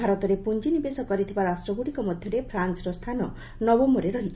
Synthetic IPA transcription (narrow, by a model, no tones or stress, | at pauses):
aɾɔt̪ɔɾepund͡ʒinibesɔkɔɾit̪ʰibaɾasʈɾɔbuɽikɔmɔd̪ʱjɔɾepʰɾant͡ʃɾɔst̪ʰanɔ | nɔbɔmbɔɾeɾɔɦit͡ʃʰi̥